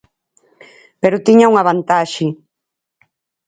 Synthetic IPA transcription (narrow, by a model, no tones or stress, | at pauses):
peɾʊt̪iɲauŋaβant̪aʃɪ